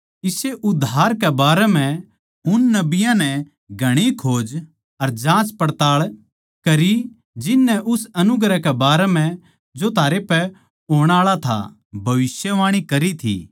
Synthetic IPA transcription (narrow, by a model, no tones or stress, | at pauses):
ɪseʔʊd̪ʱːaːɾkɛbaːɾɛm̤ɛ̃ | ʊnːɐbɪjãnɛ | ɡʱɐɽ̃ikʰoːd͡ʒ | ɐɾd͡ʒãːt͡ʃpɐɽt̪aːɭ | kɐɾi | d͡ʒɪnːɛʔʊsɐnʊɡɾakɛbaːɾɛm̤ɛ̃ | d͡ʒot̪ʰaːɾepɛ | oːɽ̃aːɭat̪ʰa̰ | bʱɐʋɪsjəʋaːɽ̃ikɐɾit̪ʰḭː